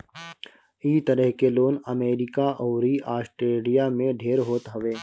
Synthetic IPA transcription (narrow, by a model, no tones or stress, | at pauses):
iːt̪əɾəɦkeloːnɐmeːɾɪkaʔɔːɾiʔaːsʈɾeːlijamẽɖʱeːɾɦoːt̪ɦɐʋeː